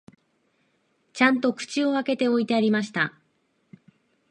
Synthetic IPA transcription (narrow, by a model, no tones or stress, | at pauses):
t͡ɕãnt̪o̞kɯ̟̥t͡ɕio̞ake̞t̪e̞o̞it̪e̞aɾʲimaɕi̥t̪a